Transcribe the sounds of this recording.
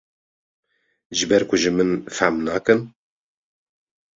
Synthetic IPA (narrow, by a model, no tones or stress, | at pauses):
ʒɨbɛɾkʰʊʒɨmɨnfæ̰mnɑːkɨn